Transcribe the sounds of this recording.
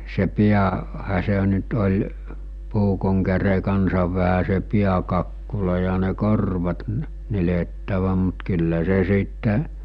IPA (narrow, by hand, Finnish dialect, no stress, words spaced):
se piæ hæ se nyt olʲ puːkoŋ kære kɑnsɑʋ ʋæhæ se piækɑkːulɑ jɑ ne korʋɑt nə nyletːæʋæ mut kylːæ se siˑtːe